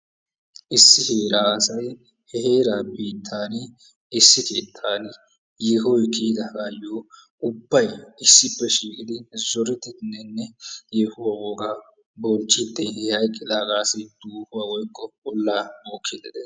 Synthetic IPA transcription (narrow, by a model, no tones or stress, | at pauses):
ʔɪsːɪheːɾaːɐsɐj | hɛhe̞ːɾaːbiːt̪ʰːaːn | ɪsːɪke̞ːt̪ʰːaːn | jeɦɔjkʰiːd̪ɐɡaːjoː | ʊbːɐjɪsːɪpːɛʃiːkʼɪd̪ɪzɔɾɛt̪ːɪnːɛnːɛjɛhʊwaːwoɡaː | bɔnt͡ʃːɪt̪ːeɛhɐjkʼːɪd̪ɐːɡaːsɪd̪̥uːhʊwaːwɔjkʼːɔɔlːaːmoːkʰːɪd̪ɛd̪ɛ